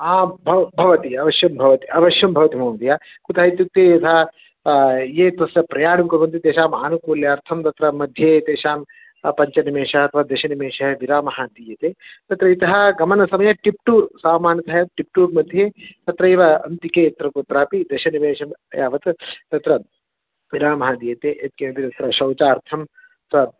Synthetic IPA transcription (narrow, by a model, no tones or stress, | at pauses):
aːbʱɐbʱɐʋɐt̪iɐʋɐʃjɐmbʱɐʋɐt̪iʔɐʋɐʃjɐmbʱɐʋɐt̪imoːnd̪ijaː | kut̪ɐɦɐit̪juk̚t̪eːjɐt̪ʰɐ | jeːt̪ɐsɾɐpɾɐjaːɽɐmkɐɾʋɐnt̪it̪eːʃaːmaːnukuːljɐɐɾt̪ʰɐmt̪ɐt̪ɾɐmɐd̪ʱjeːt̪eːʃaːm | pɐɲt͡ʃɐnimeːʂɐɐt̪ʰɐʋaːd̪ɐʃɐnimeːʂɐɦɐʋiɾaːmɐɦad̪iːjɐt̪eːt̪ɐt̪ɾɐit̪ɐɦɐɡɐmɐnɐsɐmɐjɐʈip̚ʈuːɾsaːmaːnjɐt̪ɐɦɐjɐt̪̚ʈip̚ʈuːɾmɐd̪ʱjeːt̪ɐt̪ɾɐiʋɐɐ̰nt̪ikeːɐt̪ɾɐkot̪ɾaːpid̪ɐʃɐniʋeːʃɐmjaːʋɐt̪t̪ɐt̪ɾɐ | ʋiɾaːmɐɦɐd̪ijɐt̪eːʔet̪̚kenɐp̪it̪ɐt̪ɾɐʃɐwt͡ʃaːɐɾt̪ʰɐm | ɐt̪ʰʋɐ